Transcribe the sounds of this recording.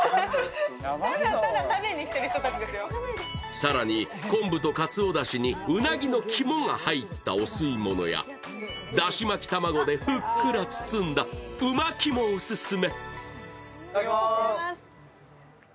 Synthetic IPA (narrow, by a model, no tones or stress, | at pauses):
at̪amẽɲ̟ːiɕi̥t̪eɾɯ̟çt̪ot̪at͡ɕid̪esɨjosaɾaɲ̟i | kõ̞mbɯ̟t̪o̞kat͡sɨo̞d̪aɕiɲ̟iɯ̟naɡʲino̞kʲʰimo̞ŋahait̪ːa̰o̞sɨimo̞no̞̰ja̰ | d̪aɕimakʲi̥t̪amaɡo̞d̪e̞ɸɯ̟kːɯ̟ɾat͡sɨ̥t͡sɨ̃nd̪aɯ̟makʲimo̞ɯsɨsɨme̞